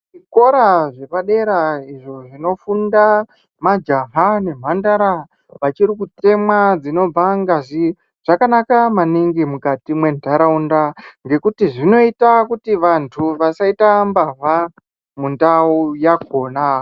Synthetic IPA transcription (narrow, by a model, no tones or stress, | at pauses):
ʐiko̞ɾaʐe̞paɗe̞ɾaiʐo̞ʐino̞funda | mad͡ʒaɦane̞m̤andaɾa | ʋat͡ʃiɾikute̞mwad͡zino̞b͡vaŋɡaʐi | ʐ̥akanakamaniŋɡimukatimwe̞ndʱaɾaundaŋɡe̞kutiʐino̞itakutiʋantʰuʋasaitambaɦa | mundaujaɡ̚ʰo̞ːna